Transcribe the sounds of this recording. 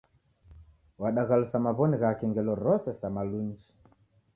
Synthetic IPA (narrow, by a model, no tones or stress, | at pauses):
waɗaɣalusamaβɔniɣakɛŋɡɛlɔɾɔsɛsamaluɲd͡ʒi̥